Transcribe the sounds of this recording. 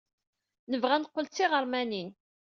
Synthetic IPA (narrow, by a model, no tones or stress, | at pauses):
nəvʁænqːəlt͡sːiʁəɾˤmænin